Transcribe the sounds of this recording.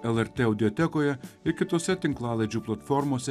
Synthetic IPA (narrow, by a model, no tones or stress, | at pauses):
ɛlˠɛɾʲt̪ʲeːɐʊd̪ʲɔt̪ʲɛkoːjɛɪɾkʲɪt̪oːsʲɛt̪ʲɪŋklˠɑːlˠɐɪd͡ʒʲuːplˠɐt̪fɔɾmoːsʲɛ